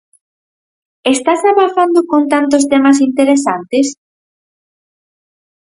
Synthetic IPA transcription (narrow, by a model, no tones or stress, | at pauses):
est̪asaβaθand̪ʊkont̪ant̪os̬t̪emɐs̬int̪eɾesant̪es